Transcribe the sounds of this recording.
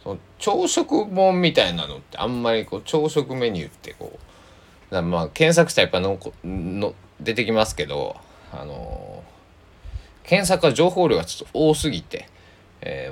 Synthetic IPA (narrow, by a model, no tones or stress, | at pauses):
sono | t͡ɕoːɕo̞kɯ̟mõ̞mːʲit̪ainano̞t̪ːe̞ã̰mːaɾʲiko̞ːt͡ɕo̞ːɕo̞kɯ̟me̞ɲ̟ɨ̟̰t̪ʰːe̞ko̰ː | d̪amakẽ̞ɰ̃s̬akɯ̟ɕt̪aipːainokno | d̪e̞t̪e̞kʲimasɨ̥ke̞d̪o̰ | a̰no̞̰ | kʰẽ̞ɰ̃s̬akɯ̟aʑo̞ːhoːɾʲoɡat͡ɕo̥t̪ːooːsɨɡʲit̪e̞̰ | ḛː